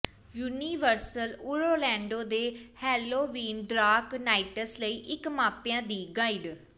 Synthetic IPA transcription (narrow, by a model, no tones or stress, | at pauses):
juːniːʋəɾsəluːɾoːlɛ̃ːɳɖoːd̪eːhɛːloːʋiːnɖɾaːknaːɪʈəsləiːʔɪkmaːpɪjãːd̪iːɡaːɪɖ